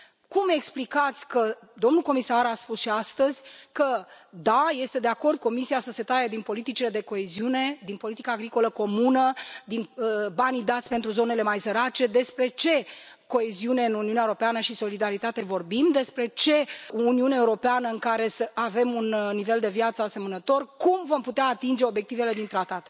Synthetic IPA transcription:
kume̞ksplikat̪sʲkəd̪o̞mnulko̞misaɾaspusʃiast̪əzʲkə | d̪aje̞st̪e̞d̪e̞ako̞rd̪̚ko̞misiasəse̞t̪ajəd̪inpo̞lit̪it͡ʃile̞d̪e̞ko̞e̞ziune̞d̪inpo̞lit̪ikaːɡɾiko̞ləko̞munəd̪inbanid̪at̪sʲpent̪ɾuzo̞ne̞le̞majsəɾat͡ʃe̞d̪e̞spɾe̞t͡ʃe̞ | ko̞e̞ziune̞ɨnuniuneaeuɾo̞peanəʃiso̞lid̪aɾit̪at̪e̞vo̞rbimd̪e̞spɾe̞t͡ʃe̞uniuneaeuɾo̞peanəɨŋkaɾe̞səave̞munnive̞ld̪e̞vjat̪səase̞mənət̪o̞rkumvo̞mput̪eaːt̪ind͡ʒe̞o̞bje̞k̚t̪ive̞le̞d̪int̪ɾat̪at̪

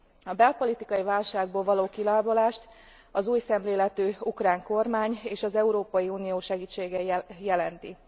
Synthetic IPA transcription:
ɒbɛlpo̞lit̪ikɒjivaːlʃaːɡ̚boːlvɒloːkilaːbolaːʃt̪ | ɒzuːjsɛmleːlɛt̪øːukraːŋko̞rmaːɲeːʃɒzɛuɾoːpɒjiuːnijoːʃɛɡiːt͡ʃːeːɡɛjɛlɛnt̪i

